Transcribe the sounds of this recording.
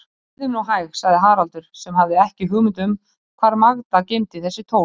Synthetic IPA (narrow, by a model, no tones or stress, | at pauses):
ðɪmnuɦaːjɣsaɣðɪɦaːɾalt̪ʏɾ̥sɛmhavðɪɛhcɪɦʏɣmʏnt̪̬ʏm | kʰvaːɾmaɣt̪acejmt̪ɪθɛsːɪt̪ʰoː